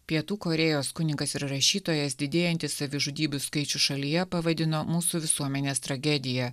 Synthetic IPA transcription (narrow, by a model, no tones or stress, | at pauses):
pʲiɛt̪uːkoːɾʲɛjoːskʊnʲɪŋkɐsɪɾɾɐʃʲiːt̪oːjɛsd̪ʲɪd̪ʲeːjɛnʲt̪ʲɪssɐʋʲɪʒʊd̪ʲiːbʲʊskɐɪt͡ʃʲʊʃɐlʲijɛpɐʋɐd̪ʲɪnoːmuːsuʋʲɪsuɔmʲɛnʲeːst̪ɾɐɡʲɛd̪ʲɪjɛ